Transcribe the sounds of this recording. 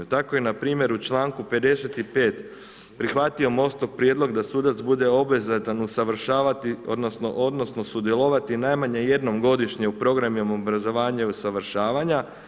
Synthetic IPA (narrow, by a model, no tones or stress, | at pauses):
ut̪ako̞je̞napɾiːmje̞ɾut͡ʃlˠaːŋkupe̞d̪e̞se̞t̪ipe̞ːt̪ | pɾixʋat̪io̞mo̞st̪oʋpɾje̞d̪lˠo̞ɡd̪asud̪at̪sbud̪e̞o̞bezat̪anusaʋɾ̩ʃaːʋat̪io̞̰d̪no̞sno̰ʔo̞d̪no̞sno̞sud̪je̞lˠo̞ʋat̪inajmaɲe̞je̞d̪no̞mɡo̞d̪iʃɲe̞upɾo̞ɡɾamjomo̞bɾazo̞ʋaːɲeusaʋɾʃaːʋaɲa